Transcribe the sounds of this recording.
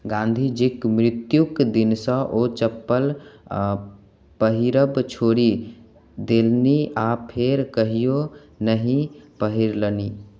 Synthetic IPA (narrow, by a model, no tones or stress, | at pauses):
ɡãːnd̪ʱid͡ʒɪkmɾɪt̪jukd̪ɪnsə̃ʔot͡ʃəpːəl | pəɦiɾəbt͡ʃʰoːɾi | d̪elniʔapʰeɾkəɦijo | nəɦĩpəɦiɾləni